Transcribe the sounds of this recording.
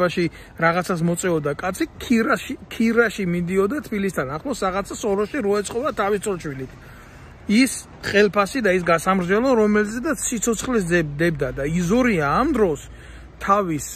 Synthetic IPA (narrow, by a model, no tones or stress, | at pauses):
aʃi | ɾaʁat̪sʰas̬mɔt̪sʼɛɔd̪akʼat̪sʰi | kʰiɾaʃimid̪iɔd̪at̪ʰbilis̬t̪ʰanaχlˠɔsɾaʁat̪sʰasɔɾɔʃiɾɔɛt̪sʰʼqʼɔbat̪ʰavist̪sʰʼɔlˠt͡ʃʰwilit̪ʰ | is | χʼɛlpʰasid̪ais̬ɡasamɾd͡ʒɛlˠɔɾɔmɛlzɛd̪at̪sʰsit̪sʰɔt̪sʰχlɛs̬d̪ɛd̪ɛbd̪ad̪aizɔɾiaːmd̪ɾɔs | t̪ʰavis